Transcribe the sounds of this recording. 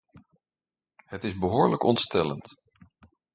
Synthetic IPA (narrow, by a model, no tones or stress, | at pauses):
hətɪzbəɦʊːɹləkɔntstɛlə̰nt